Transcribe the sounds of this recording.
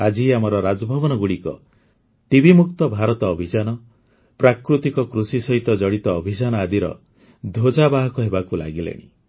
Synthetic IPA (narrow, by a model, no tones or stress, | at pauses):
ad͡ʒiamɔɾɔɾad͡ʒɔbʱɔbɔnɔɡuɽikɔ̰ | ʈibʱimuk̚t̪ɔbʱaɾɔt̪ɔːbʱid͡ʒanɔ | pɾakɾut̪ikɔkɾusisɔɦit̪ɔd͡ʒɔɽit̪ɔːbʱid͡ʒanɔad̪iɾɔ̰ | d̪ʱod͡ʒabaɦɔkɔɦebakula̰ɡilḛɽ̃ḭ